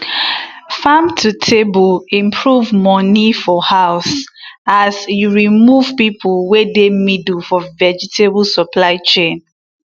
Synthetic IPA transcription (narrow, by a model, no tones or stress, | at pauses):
famtʰutʰebɔlĩmpʰɹuvmɔnifɔhaʊsasjuɹimuv̥pipʰəlwedemidlfɔvɛd͡ʒitʰebəlsɔpʰlaɪt͡ʃẽn